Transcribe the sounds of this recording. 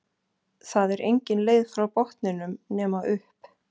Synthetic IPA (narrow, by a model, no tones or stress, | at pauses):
θaðɛɾʔejɲcɪnleːjðfɾawpɔht̪nɪnʏmnɛːmaʔʏhp